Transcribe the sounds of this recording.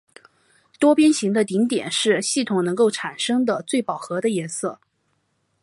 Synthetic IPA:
t̪wɔ˥pjɛ˥nɕi˧˥ŋd̪ə˧t̪i˧˥ŋt̪jɛ̰˨˩nʂɻ̩˥˧ɕi˥˩t̪ʰʊ˨˩ŋnɤ˧˥ŋko˥˩ʊʈ͡ʂʰa˨˩nʂɤ˥ŋd̪ə˨t͡swe˥˩ɪpɑ˨˩ʊxɤ˧˥d̪ə˧jɛ˧˥nsɤ˥˩

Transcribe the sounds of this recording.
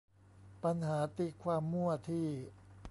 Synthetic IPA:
pa˧nhaː˩˦t̪i˧˩kʰwaː˧mːu˥˩ɐt̪ʰiː˥˩

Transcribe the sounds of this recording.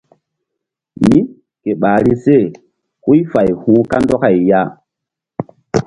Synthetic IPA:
mi˦ | ke˨ɓa˨ɾi˦se˦˨ | hu˦jfa˨jhũː˦ka˦ndɔ˦ka˨jja˦

